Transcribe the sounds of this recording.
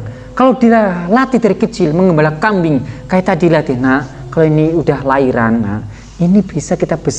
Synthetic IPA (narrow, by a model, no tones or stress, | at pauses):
kalodilalat̪idaɾikət͡ʃɪlməŋɡəmbalakambɪŋkajɛt̪adilat̪ina | kaloiniudahlaiɾanːa̰ | inib̥isakit̪ab̥əs